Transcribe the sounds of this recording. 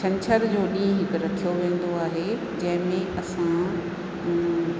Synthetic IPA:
t͡ɕʰɐ̃ɲt͡ɕʰəɾd͡ʑoːɗĩːɦɪkɾɐkʰijoʋẽːn̆d̪oaːɦe | d͡ʑɐ̃ɦɪ̃mẽʔɐsã

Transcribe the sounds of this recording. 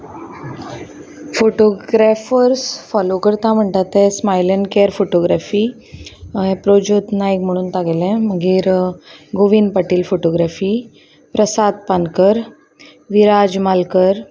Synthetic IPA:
foʈoɡɾafəɾsfɔlokəɾt̪am̤əɳʈ̪at̪ẽsmajlənkeɾfoʈoɡɾafiː | ɦẽpɾod͡ʑot̪najkm̤əɽ̃uːnt̪aɡelɛ̃məɡiːɾɡoʋiːnpaʈiːlfoʈoɡɾafi | pɾəsad̪̚pankəɾ | ʋiɾad͡ʑmalkəɾ

